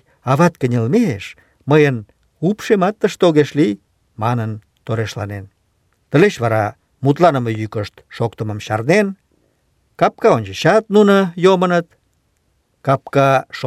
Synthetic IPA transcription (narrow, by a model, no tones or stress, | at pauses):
ɑβɑt̪kənʲəlmeʃ | məjən | upʃemɑt̪ːəʃt̪oɣeʃlij | mɑnən | t̪oɾeʃlɑ̰nen | t̪əleʃβɑɾɑ | mut̪lɑnəməjykəʃt̪ʃokt̪əməmʃɑ̰rnen | kɑp̚kɑonʲt͡ʃəɕɑt̪̚nunəjomənət̪ | kɑp̚kɑʃ